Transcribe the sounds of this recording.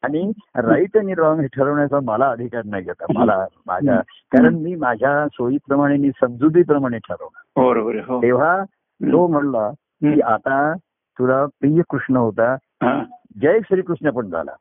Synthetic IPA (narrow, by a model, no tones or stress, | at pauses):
aɽ̃iɾait̪janːiːɾɔŋɡɦeʈʰəɾəʋɳjat͡saməlaəd̪ʱikaɾnaid͡zat̪aməlama̰d͡zʱa̰ | kaɾəɳmiːmad͡ʑʱjasojiːpɾəmaɽ̃eniːsəmd͡zud̪iːp̬ɾəmaɽ̃eʈʰəɾə̰ʋnaɦoəɾobəɾɦoeʋ̤a | t̪om̤əɳla | kiːʔat̪a | t̪ulapijəkɾuʂɳəɦot̪a | i | d͡ʑəjekɕəɾiːkɾuʂɳjapəɳd͡zʱa̰la̰